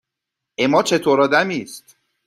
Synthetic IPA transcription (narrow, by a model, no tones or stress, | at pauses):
ʔemɒːt͡ʃʰe̞t̪ʰoːɾɒːd̪æmiːst̪